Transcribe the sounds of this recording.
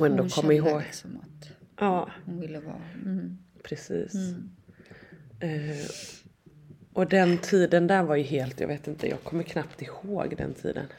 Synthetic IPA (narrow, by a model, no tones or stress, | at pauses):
ɛnd̪okʰɔmːaɪɦoːɡt̪ʔɑːɪlːə̰ | pʰɾɛsḭːs | ʔɔd̪ɛnt̪ʰiːd̪ənd̪æɾvaɾjɵɦeːlt̪jɑ̰veːt̪ɪnt̪ə̰jɑ̰ːɡ̚kʰɔmːəɾkʰnapt̪ɪhoːɡd̪ɛ̰nt̪ʰḭːd̪ə̰n